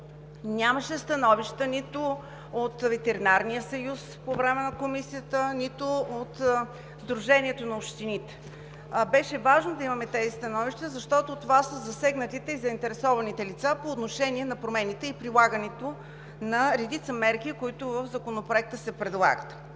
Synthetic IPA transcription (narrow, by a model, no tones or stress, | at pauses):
nʲaməʃɛst̪ɐnɔviʃt̪ənit̪ʊ | ot̪vɛt̪ɛɾinaɾnijəsɐjuspovɾɛmɛnɐkomisijət̪ənit̪oot̪ | zd̪ɾuʒɛniɛt̪onɐopʃt̪init̪ɛ̥ | bɛʃɛvaʒnod̪ɐimɐmɛt̪ɛzist̪ɐnɔviʃt̪əzɐʃt̪ɔt̪ot̪ovasəzɐsɛɡnət̪it̪ɛizɐint̪ɛɾɛsɔvɐnit̪ɛlit̪sapoːt̪noʃɛniɛnɐpɾomɛnit̪ɛipɾilˠaɡənɛt̪o | nɐɾɛd̪it̪səmɛɾkikoit̪ʊvəfzɐkonopɾoɛk̚t̪əsɛpɾɛd̪lˠa̰ɡət̪